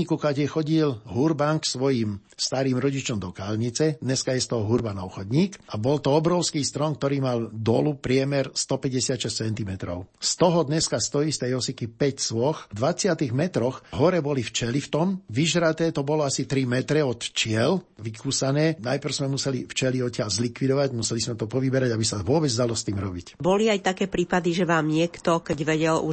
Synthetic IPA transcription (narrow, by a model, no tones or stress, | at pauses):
ikukaɟɛxɔɟilɦuɾbanksʋɔjiːmst̪aɾiːmɾɔɟit͡ʃɔmd̪ɔkaːlɲit͡sɛd̪ɲɛskajɛst̪ɔɦɔɦuɾbanɔʊxɔd̪ɲiːkabɔlt̪ɔɔbɾɔʊskiːst̪ɾɔŋk̚t̪ɔɾiːmald̪ɔ̰lupɾɪɛmɛɾst̪ɔpɛɟɛsɪat̪ʃɛst͡sɛnt̪imɛt̪ɾɔ̰ʊst̪ɔɦɔd̪ɲɛskast̪ɔist̪ɛjɔsikipɛcsʋɔxd̪ʋat͡sɪat̪iɣmɛt̪ɾɔxɦɔɾɛbɔlift͡ʃɛlift̪ɔmʋiʒɾat̪ɛːt̪ɔbɔlɔasit̪ɾimɛt̪ɾɛɔt̪t͡ʃɪɛlʋikuːsanɛːnajpr̩ʊzmɛmusɛlift͡ʃɛliɔcːɪalzlikʋid̪ɔʋaɟmusɛlizmɛt̪ɔpɔʋibɛɾaɟabisaʋʊɔbɛd͡zd̪alɔst̪iːmɾɔbicbɔliajt̪akɛːpɾiːpad̪iʒɛʋaːmɲɪɛkt̪ɔkɛɟʋɛɟɛlu